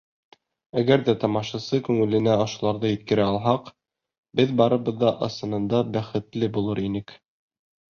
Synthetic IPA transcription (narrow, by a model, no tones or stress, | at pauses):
æɡæɾðæt̪ɑmɑʃɑsɤkʉŋɘ̆lɘ̆næɑʃulˠɑɾðɤjɘ̆t̪kɘ̆ɾɘɑlˠɦɑq | bɘðbɑɾɤ̆βɤ̆ðːɑʔɤ̆sɤ̆nɤ̆nd̪ɑbæχɘ̆t̪lɘbulˠɤɾinɘk